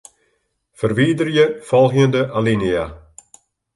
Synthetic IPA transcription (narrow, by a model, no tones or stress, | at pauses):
fərʋiːdərjəfɔlˠɣjəndəʔalinia̰